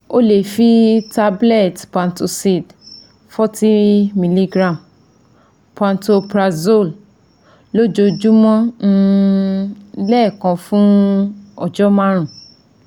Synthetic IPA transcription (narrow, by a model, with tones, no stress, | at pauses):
o˦le˨fi˦ta˦blɛ˦˨tpã˨nto˧si˦˨d | fɔ˦ti˦mĩ˧li˦ɡɾã˦˨m | pã˨˧nto˧pɾa˧zo˦˨l | lo˦d͡ʒo˧d͡ʒu˦mɔ̃˦ñ̩˦˧ | lɛ˦˨kɔ̃˧fũ˦ | ɔ˨d͡ʒɔ˦mã˦ɾ̃ũ˨